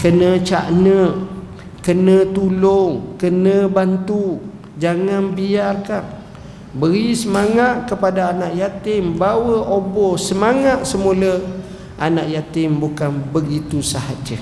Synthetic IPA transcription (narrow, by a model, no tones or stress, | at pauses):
kənət͡ʃa̰ʔnə | kənə̃t̪ulʊŋkənə̃bant̪u | d͡ʒaŋanbiarkan | bəɾisəmaŋat̪̚kəpadaːnaʔjat̪ɪmbawəʔobɔsəmaŋat̪̚səmulə | ʔanaʔjat̪ɪmbukanbəɡit̪usahad͡ʒə